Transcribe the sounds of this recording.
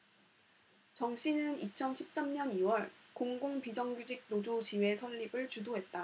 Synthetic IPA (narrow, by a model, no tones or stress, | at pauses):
t͡ɕʌŋɕ͈ʰinɯnit͡ɕʰʌnɕʰip̚s͈amɲʌniwʌɭkoŋɡoŋpid͡ʑʌŋɡud͡ʑiɡ̚nod͡ʑot͡ɕiwe̞sʰʌʎːibɯɭt͡ɕudoɦe̞t̚t͈a